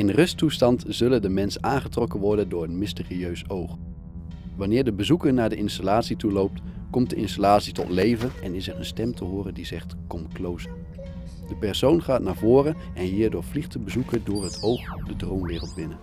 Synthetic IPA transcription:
ɪnrɵstustɑntz̥ɵləndəmɛnsənaːnχətrɔkəʋɔɹdəndʊːɹətmɪstɪːriøɥsowχ | ʋɑnɪːɹdəbəzukəɹnaːɹdəɪnstalaːtsitulowp̚tkɔmt̚dəʔɪ̰nstalaːtsitɔ̰tlejvənɛnɪsɛɹənstɛmtʰəɦʊːrəndizɛχtkɔmklowzə | d̥əpɛɹsownχaːtnaːɹvʊːrə | ɛnɦiːɹdʊːɹvliχtəbəzukədʊːɹɦətʰowχdədromʋɪːrəlˠdbɪnə

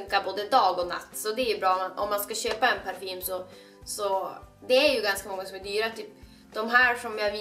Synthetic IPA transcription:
ŋkaboːd̪əd̪ɑːɡɔna̰t̪ːsɔd̪ɛːjʉbɾɑːmɛnɔ̰mːanskaɕøːpaɛnpʰæɾfiːɾmsɔ | sɔd̪ɛæɾjɵɡanskamɔŋːasɔmɛd̪yːɾat̪ʰyːp | d̪ɔmɦæːɾʂɔmjavɪ

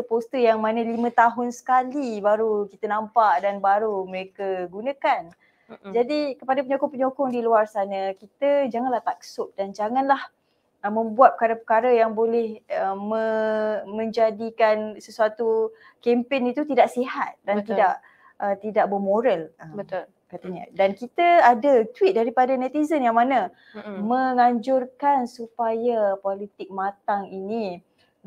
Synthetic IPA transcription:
əpost̪əjaŋmanə̃limə̃t̪aɦʊnsə̥kalibaɾukit̪ənampaʔdanbaɾuməɾekaɡunakan | d͡ʒadikəpadapəɲokʊŋpəɲokʊŋdiluarsanakit̪əd͡ʒaŋanlaht̪aksʊk̚dand͡ʒaŋãnlah | əmə̃mbuat̪̚pəkaɾapəkaɾajaŋbolɛhəməmə̃ɲd͡ʒadikansəsuat̪u | kɛmpenit̪ut̪idaʔsiɦat̪̚dant̪idaʔ | ʔət̪idaʔ̚bəmoɾaləbət̪l | kat̪aɲa̰dankit̪aadat̪wit̪̚daɾipadanɛt̪izənjaŋmana | mə̃ŋaɲd͡ʒʊrkansupajapolit̪ɪk̚mat̪aŋinĩ

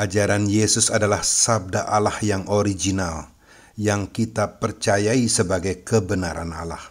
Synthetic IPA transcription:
ʔad͡ʒaɾanjesʊsadalahsab̚daʔalahjaŋʔoɾid͡ʒinal | jaŋkit̪apərt͡ʃajaisəbaɡajkəbənaɾa̰na̰la̰h

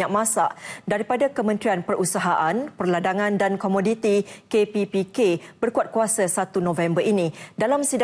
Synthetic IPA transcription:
aʔ̚mãsaʔdaɾipadakəmə̃nt̪ɾianpərusaɦaʔanpərladaŋãndankɔmodit̪ikepipikeb̥ərkuat̪̚kuasasat̪unɔ̃vɛmbərinĩdalamsida

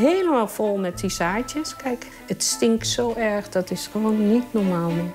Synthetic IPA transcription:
ɦeːləmaːlˠfɔlˠmɛtisaːtjəskɛjk | ətstɪŋktsoːʔɛɹxdɔtɪsxəʋoːnːitnɔɹmaːlˠm

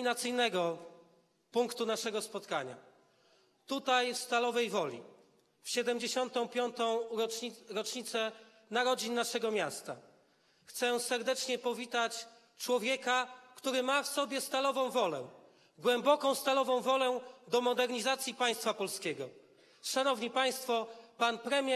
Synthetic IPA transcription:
inat̪sɘjnɛɡɔ | puŋkt̪unaʂɛɡɔspɔt̪kaɲa̰ | t̪ut̪ajfst̪alɔvɛjvɔlʲḭ | fɕɛd̪ɛmd͡ʑeɕɔnt̪ɔ̃w̃pʲjɔnt̪ɔ̃w̃ | ɾɔt͡ʂɲit̪sɛ | naɾɔd͡ʑinːaʂɛɡɔmʲjast̪a̰ | xt̪sɛsɛɾd̪ɛt͡ʂɲɛpɔvʲit̪at͡ɕ | t͡ʂwɔvʲjɛkakt̪uɾɘmafsɔbʲjɛst̪alɔvɔ̃w̃vɔlɛ̰ | ɡwɛmbɔkɔ̃w̃st̪alɔvɔ̃w̃vɔlɛd̪ɔmɔd̪ɛɾɲizat̪sʲjipaj̃st̪fapɔlskʲɛɡɔ | ʂanɔvɲipaj̃st̪fɔpanpɾɛmʲjɛ

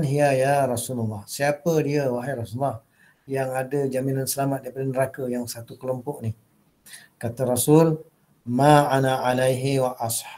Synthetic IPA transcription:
nɦiajaɾɑsulalːɑhsiapədiəwaɦajɾɑsulːah | jaŋadəd͡ʒaminansəlamat̪̚daipadənəɾakəjaŋsat̪ukəlɔmpɔʔnih | kat̪aɾasul | maʔanaʕalajɦiwaʔɑs

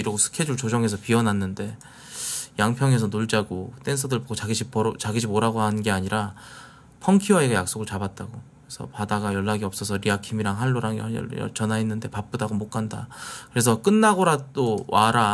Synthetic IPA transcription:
iɾʌɡosʰɯ̥kʰe̞d͡ʑuɭt͡ɕod͡ʑʌŋe̞sʰʌpiʌnɦanːɯnde̞ | jaŋpʰjʌŋe̞s̬ʰʌnoɭd͡ʑaɡot͈e̞nsʰɯdɯɭboɡoaɡiɕʰipt͡ɕaɡiɕʰimoɾaɡoɦanɯnɡe̞aɲiɾa | pʰʌŋkʰiwaiɡajak̚s͈oɡɯɭt͡ɕabat̚t͈aɡokkɯɾesʰʌ̰padaɡajʌɭːaɡiʌp̚s͈ʌsʰʌɾiakʰimiɾaŋɦaɭːoɾaŋjʌ̰ʌ̰jʌ̰t͡ɕʌnainːɯnde̞pap͈̚ɯdaɡomok͈anda̰kɯɾe̞sʰʌk͈ɯnːaɡoɾadowaɾa

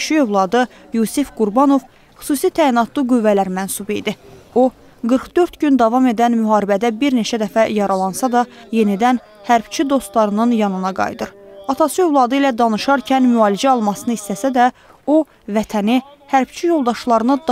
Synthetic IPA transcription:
ʃiøvlˠɑd̪ɯ | jusifɡ̥uɾbɑno̞v | χy̥suːsit̪ʰæːinɑt̪ʰlˠɯɡyvːælæɾmænsubḭd̪io̞ | ɡɯɾχd̪ø̞ɾt̪ɟynd̪ɑvɑme̞d̪ænmyɦɑːɾibæd̪æbiɾne̞t͡ʃʰæd̪æfæjɑɾɑlˠɑnsɑd̪ɑje̞nid̪æn | hæɾb̥t͡ʃʰid̪o̞st̪lˠɑɾɯnɯnjɑnɯnɑɡɑ̰jd̪ɯɾɑt̪ʰɑsɯøvlˠɑd̪ɯilæd̪ɑnɯʃɑɾcʰænmyɑːlid͡ʒæɑlˠmɑsɯnɯist̪æsæd̪æ | o̞ | væt̪ʰæni | hæɾb̥t͡ʃʰijo̞lˠd̪ɑʃlˠɑɾɯnɯd̪

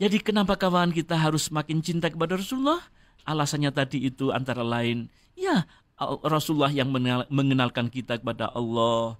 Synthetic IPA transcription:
d͡ʒadikənapakawaankit̪aɦaɾʊsːəmakɪnt͡ʃint̪akəpadaɾɔsulːɔh | ʔalasanɲat̪adiːt̪ua̰nt̪aɾalaɪn | ija | rɔsulːahjaŋməməŋənalkankit̪akəpada̰ʔɑlːɔh

